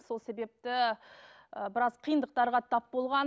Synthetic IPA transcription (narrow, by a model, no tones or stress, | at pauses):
so̞lˠse̞be̞p̚t̪ɪ | əbɪɾɑz̥qʰijənd̪əq̚t̪ɑɾʁɑt̪ʰɑpbo̞lˠʁɑ